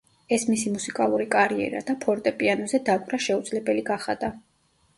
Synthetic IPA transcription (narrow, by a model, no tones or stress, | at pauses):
ɛsmisimusikʼalˠuɾikʼaɾiɛ̰ɾa̰d̪̥apʰɔɾt̪ʼɛpʼianɔzɛd̪akʼvɾaʃɛud̪zlɛbɛliɡaχa̰d̪a